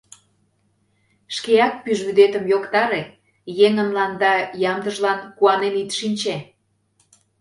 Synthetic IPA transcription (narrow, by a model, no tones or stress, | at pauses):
ʃkeɑk̚pyʒβyd̪et̪ə̆mjokt̪ɑɾe | jeŋə̆mlɑnd̪ɑjɑmd̪ə̆ʒlɑnkuɑnenit̪ʃinʲt͡ɕe